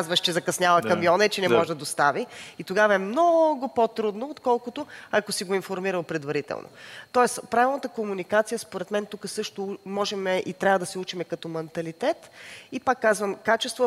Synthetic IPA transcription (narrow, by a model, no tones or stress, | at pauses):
zvəʃt͡ʃɛzɐkɐsnʲavɐkɐmijɔnɛt͡ʃɛnɛmɔʒd̪ɐd̪ost̪aviit̪oɡavɐɛmnɔɡʊpot̪ɾud̪noot̪kɔlˠkʊt̪oakosiɡoinfoɾmiɾəlpɾɛd̪vɐɾit̪ɛ̰lˠno̰t̪ɔɛspɾavʲilˠnət̪əkomunikat̪sijəspoɾɛt̪mɛnt̪ukəsɤʃt̪ʊmɔʒɛmɛʔit̪ɾʲavəd̪ɐsɛut͡ʃimɛkɐt̪ɔmɛnt̪ɐlit̪ɛt̪ipakːazvəmkat͡ʃɛst̪vo